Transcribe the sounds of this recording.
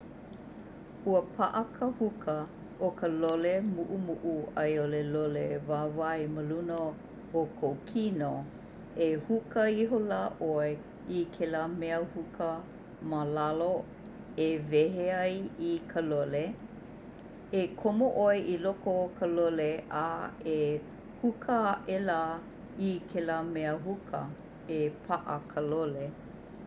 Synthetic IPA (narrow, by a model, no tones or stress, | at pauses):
huəpʰaʔəkʰəhukʰə | ʔokʰəlolemuʔumuʔuɐjolelolevaːvaeməlunə | okʰowkʰino | ehukəiɦolaːʔoe | ikʰelaːmɛəhukʰə | malalo | eveɦeajikʰəlole | ekʰomoʔoeʔilokokʰəloleʔae | hukʰəʔela | ikʰelamɛəɦukʰə̰ | epʰaʔə̰kʰəlole